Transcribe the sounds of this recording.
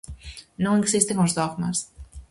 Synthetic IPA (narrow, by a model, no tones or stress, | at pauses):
nõŋeksist̪eŋozðoɣmas